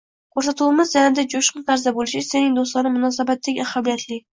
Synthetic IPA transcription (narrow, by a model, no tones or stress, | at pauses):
qʰoɾsat̪ʰumɪzd͡ʒanad̪ad͡ʒoʃqʊnt̪ʰaɾzabolɪʃɪsenɪŋd̪oslˠɒnɪmːʊnɒsabat̪ʰːaɡʲahabijat̪ʰlɪ